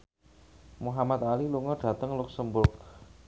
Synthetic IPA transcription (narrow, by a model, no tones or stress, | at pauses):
muɦamat̪̚aliluŋɔɖ̥ä̤t̪əŋlʊksəmbʊrk̚